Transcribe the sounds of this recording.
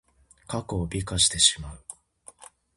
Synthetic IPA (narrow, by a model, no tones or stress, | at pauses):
kakoːbʲikaɕi̥t̪e̞ɕimaɯ̟